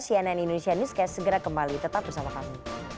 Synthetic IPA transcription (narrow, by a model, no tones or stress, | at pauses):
siananindonesianuskasəɡəɾakəmbalit̪ət̪ap̚bərsamakami